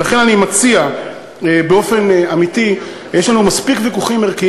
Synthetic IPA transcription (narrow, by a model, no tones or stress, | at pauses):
laχe̞nanimat͡sia | ebeo̞fe̞namiti | jeʃlanumaspikvikuχimeʁki